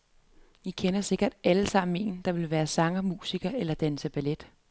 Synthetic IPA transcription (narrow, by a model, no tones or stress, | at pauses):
ʋikʰenɐse̝ɡ̥ɐd̥æləsɑ̈m̰m̩e̝̰ːnd̥ɑ̈ʋe̝lʋæːɐsɑ̈ŋɐmṵːsiɡ̥ɐelɐd̥ænsəb̥æled̥